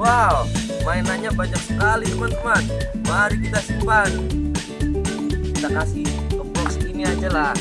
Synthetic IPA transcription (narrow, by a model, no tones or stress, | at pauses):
wawmaɛnaɲaʔbaɲak̚səkalidəmant̪əmanmaɾikit̪asimpan | kit̪akasitəmɔŋsəkiniad͡ʒala